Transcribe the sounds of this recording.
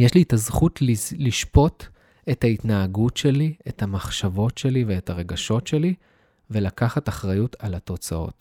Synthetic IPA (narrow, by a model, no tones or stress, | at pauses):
jeʃliːtazχutlliʃpo̞t | e̞thaitnaːɡutʃe̞liethamaχʃavo̞tʃe̞live̞etaʁe̞ɡaʃo̞tʃe̞li | ve̞lakaχataχʁajutʰalato̞t͡sao̞̰t